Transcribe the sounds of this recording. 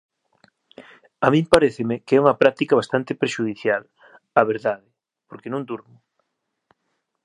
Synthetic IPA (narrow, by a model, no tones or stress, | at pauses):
amĩmpaɾeθɪmɪkeɛuŋɐpɾak̚t̪ikɐβast̪ant̪ɪpɾeʃuðiθjal | aβ̞eɾðaðɪ | poɾkenõŋd̪uɾmʊ